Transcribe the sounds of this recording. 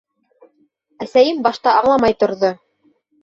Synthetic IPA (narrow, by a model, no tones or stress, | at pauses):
æsæjɘmbɑʃt̪ɑɑɴlˠɑmɑjt̪ŏɾðo